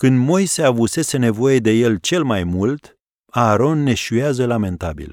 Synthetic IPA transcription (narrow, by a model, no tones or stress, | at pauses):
kɨnd̪mo̞jse̞avuse̞se̞ne̞vo̞je̞d̪e̞je̞lt͡ʃe̞lmajmult̪ | aːɾo̞nːe̞ʃujazəlame̞nt̪abḭl